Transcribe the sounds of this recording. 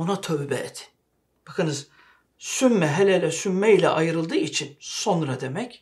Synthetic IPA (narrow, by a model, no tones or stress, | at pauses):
onat̪ʰøβbɛ̰ɛt̪ʰɪ̥ | b̥akʰɯnɯz | symːɛɦelʲɛlʲɛsymːɛilʲɛ̰ʔajɯɾɯlˠd̪ɯːit͡ʃʰinso̞nɾad̪e̞mɛc